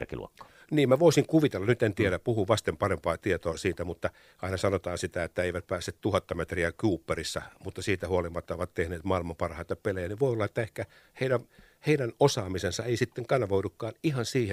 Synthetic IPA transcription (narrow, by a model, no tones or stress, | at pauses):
rkḭlṵokːo̥ | niːmmæʋoisiŋkuʋit̪elːɑnyt̪ent̪ieɾæpuhuʋɑst̪empɑrempɑːt̪iet̪oːsiːt̪æmut̪ːɑ | ɑinɑsɑnot̪ɑːnsit̪æet̪ːæeiʋæt̪̚pæːsːet̪t̪uhɑt̪ːɑmet̪riækuːpːerisːɑmut̪ːɑsiːt̪æhuolimːɑt̪ːɑoʋɑt̪t̪ehneːt̪mɑilmɑmpɑrhɑit̪ɑpelejæniʋoiolːɑet̪ːæehkæ | heiɾæ | heidænosɑːmisensɑeisit̪ːeŋkɑnɑʋoiukːɑːnihɑnsiːhe